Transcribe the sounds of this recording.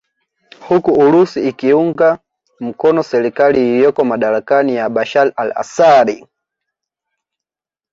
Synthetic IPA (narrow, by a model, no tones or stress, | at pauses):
hukuulusiːkiuŋɡa | m̩kɔnɔsɛɾikalijijɔkɔmaɗaɾakanijaɓaʃalala̰saɾḭ